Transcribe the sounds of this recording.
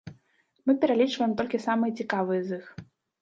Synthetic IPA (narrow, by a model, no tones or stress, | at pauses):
mɨpʲɛɾalʲit͡ʂvɐjɛmt̪ɔlʲkʲisamɨjɛt͡sʲikavɨjɛzix